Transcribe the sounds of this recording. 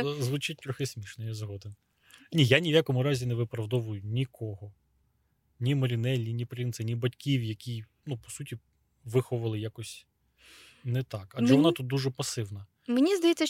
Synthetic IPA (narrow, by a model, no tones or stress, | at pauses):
zʋʊt͡ʃɪt̚ʲt̪ɾɔxɪsʲmʲiʃnɔjɛzɦɔd̪ɪn | nʲijanʲiʋjakɔmʊɾɑzʲinɛʋɪpɾɐwd̪ɔʋʊjʊnʲikʰɔɦɔ | nʲimɔɾʲinɛlʲːinʲipɾint̪sɪnʲibɐtʲkʲiwjɐkʲij | nupɔ̥sutʲi | ʋɪxɔʋɐlˠɪjakɔsʲ | nɛt̪ɑkɐd͡ʒʒɛʋɔnɑt̪ut̪̚d̪uʒɛpɐsɪwnɐ | menʲizd̪ɐjɛt͡sʲːɐ